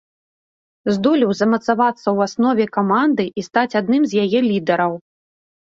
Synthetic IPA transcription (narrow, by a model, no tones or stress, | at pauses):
zd̪ɔlʲiwzɐmɐt̪savat̪sːɐwasnɔvʲɛkamand̪ɨʔist̪at͡sʲad̪̚nɨmzʲjajɛlʲid̪ɐɾɐw